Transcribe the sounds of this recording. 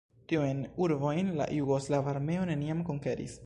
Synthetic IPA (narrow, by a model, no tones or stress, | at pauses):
tiujnuɾvo̞jnla̰juɡo̞slavaɾme̞o̞ne̞niamko̞ŋke̞ɾḭs